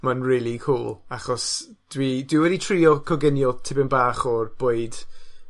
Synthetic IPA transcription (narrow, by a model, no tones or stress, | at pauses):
manriːlˠikʰuːlˠaχɔs | d̥widwiwɛditʰriːɔkʰɔɡɪnjɔtʰɪbɪnbaːχɔrb̥oːɨd̥